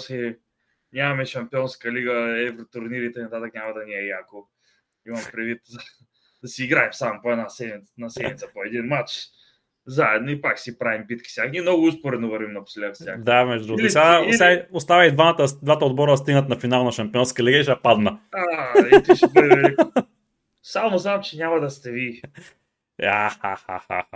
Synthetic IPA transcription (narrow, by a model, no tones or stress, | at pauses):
si | nʲamɐmɛʃɐmpiɔnskəliɡəɛvɾot̪ʊɾniɾit̪ɛinɐt̪at̪əkɲʲamɐd̪ɐniɛjako | imɐmpɾɛd̪vit̪ | d̪ɐsiːɡɾaɛmsamʊpoɛd̪nasɛd̪mʲit̪nɐsɛmit̪əpoɛd̪inmat͡ʃ | zaɛd̪noipaksipɾavimbit̪kʲi̥sjak̪imnɔɡʊuspoɾɛovɐɾvimnɐpslʲak̪sjakd̪amɛʒd̪ud̪ɾuɡ̪sʲasaiʊst̪avəid̪vat̪əd̪vat̪əod̪bɔɾəst̪iɡnət̪nɐfinalˠnɐʃɐmpiɔnskəɛlɛɡɛʃapad̪nɐat̪ʃɛpɾɛvɛliko | samoznamt͡ʃɛnʲamɐd̪ɐst̪ɛvi | aha̰ha̰a̰